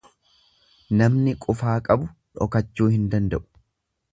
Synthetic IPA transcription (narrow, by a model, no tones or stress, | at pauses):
nɐmnɪkʼʊfaːkʼɐbʊᶑɔ̰kɐt͡ʃːuːhɪnd̪ɐnd̪ɐʔʊ̥